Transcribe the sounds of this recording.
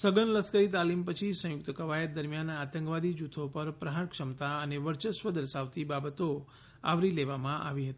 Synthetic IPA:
səɡənləskəɾit̪alimpət͡ʃʰisə̃jʊk̚t̪əkəʋajət̪̚d̪əɾmjanat̪ə̃ŋkʋad̪id͡ʒut̪ʰopəɾpɾəɦaɾkʂəmt̪aəneʋəɾt͡ʃəsʋəd̪əɾʃaʋt̪ibabət̪o | a̰ʋɾileʋamãʔa̰ʋiɦət̪i

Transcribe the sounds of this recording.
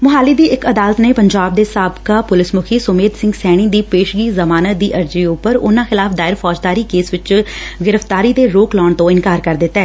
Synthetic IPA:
mʊɦaːliːd̪iːɪkəd̪aːlət̪neːpəɲd͡ʒaːb̚d̪eːsaːbkaːpʊlɪsmʊkʰiːsʊmeːd̪sɪ̃ŋɡsɛːɽ̃iːd̪iːpeːʃɡiːzəmaːnət̚d̪iːʔəɾd͡ʒiːʊpːəɾʊ̰nãːxɪlaːfʰd̪aːɪɾfʰɔːd͡ʒd̪aːɾiːkeːsʋɪt͡ʃɡɪɾəft̪aːɾiːd̪eːɾoːklɔːɳt̪õːɪnkaːɾkəɾd̪ɪt̪ːaɛː

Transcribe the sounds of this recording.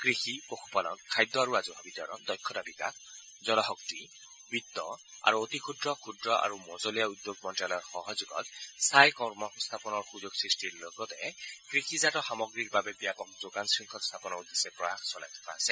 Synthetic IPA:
kɹixipokʰu̥palɔ̰nkʰajd̪ːɔaɹuazɔbʱabit̪ɔɾɔ̰nd̪ɔjkʰːɔdabika̰k | zɔnɔɦɔk̚ti | bit̪ːɔa̰ɹuot̪ikʰudɹɔkʰudɹɔʔa̰ɹumɔzɔlijaud̪joɡmɔnʈjalɔɹxɔɦɔzuɡɔ̰t̪sajkɔɹmɔst̪ʰapɔnɔɹxuzoɡsɹisʈiɹlokɔt̪ɛkɹixizatɔxamɔɡɹik̚babɛbijapɔk̚zokansɹiŋkʰɔtst̪ʰapɔnɔd̪esɛpɔaxsɔlajt̪ʰɔ̥pʰa̰ːsɛ

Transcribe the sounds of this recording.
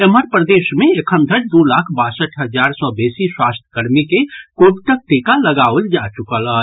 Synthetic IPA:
eməɾpɾəd̪eːʃmẽekʰə̃nd̪ʱəɾd̪olaːkʰbaːsəʈɦəd͡ʒaːɾsɔbeːsiswast̪ʰə̥kəɾmikekoːbt̪ək̚ʈekaləɡaold͡ʒat͡ʃʊkələ

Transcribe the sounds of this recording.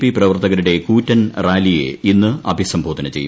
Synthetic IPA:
piprɐʋɐrt̪ɐɣɐɾuɽe̞kuːtːɐnraːlijḛinːɨɐbʱisɐmbʱoːt̪ːinɨt͡ɕe̞ju

